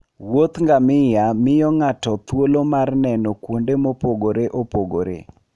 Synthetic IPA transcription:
wot̪ŋɡamɪjamɪjɔŋatɔt̪wolomarnɛnɔkwondemopoɡoɾeʔopoɡoɾḛ

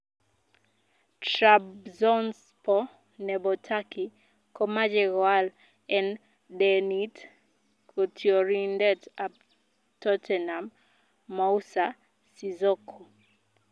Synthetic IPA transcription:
tɾabzɔns | pɔ | nɛbɔtʰaki | kɔmad͡ʒɛɣɔal | ɛn | dɛnit | kʰotʰiɔɾindɛtab | tɔtʰɛnamː | ausa | sizɔkʰo

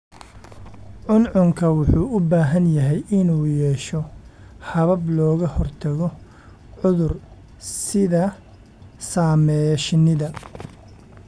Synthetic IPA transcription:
ʕʊnʕʊŋkʰɐwʊħuːʔʊbaːɦɐnjɐɦɛjʔɪnuːjɛːʃɔhɐβɐblɔːɣɐhɔrt̪ʰɐɣɔ | ʕʊðʊr | sɪðɐ | saːmɛʃnɪðɐ

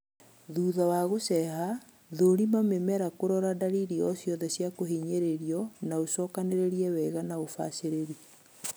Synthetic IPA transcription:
ðuːðawaɣosɛɦa | ðoɾimamemɛɾakoɾɔɾadaɾiɾiɔsjɔðɛsjakoɦiɲeɾeɾiɔnaosɔːkaneɾeɾiɛwɛɣanaofa̰seɾeɾi

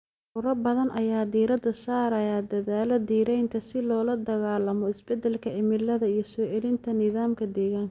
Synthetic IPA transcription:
ʊɾɐbɐðɐnʔɐjaːd̪iːɾɐd̪ɐsaːɾɐjaːd̪ɐðaːlɐd̪iːɾɛjnt̪ʰɐsɪlɔːlɐd̪ɐɣaːlɐmɔɪsbɛd̪ɛlkʰɐʔɪmɪlɐðɐijɞsɔːʔɛlɪnt̪ʰɐnɪðaːmkʰɐd̪ɛːɣaːŋkʰɐ

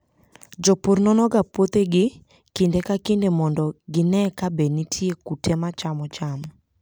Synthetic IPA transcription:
d͡ʒɔpoɾnɔnɔɡapot̪eɡɪ | kɪndekakɪndemɔndɔɡɪnɛkabenitʰiekutʰɛmat͡ʃamɔt͡ʃamɔ

